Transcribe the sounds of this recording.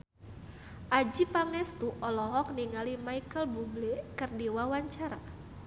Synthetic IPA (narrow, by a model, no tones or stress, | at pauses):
ʔad͡ʒipaŋɛst̪uʔɔlɔɦɔk̚niŋalimaikəlbublekərdiwawaɲt͡ʃaɾa